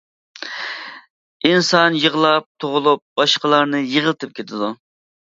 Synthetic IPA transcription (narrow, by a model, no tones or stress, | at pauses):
insɑnjəʁlˠɑp̚t̪ʰoʁʊlˠup̚b̥ɑʃqəlˠɑɾnɨjəʁəlˠt̪ʰɨp̚kʲʰet̪ʰɪd̪u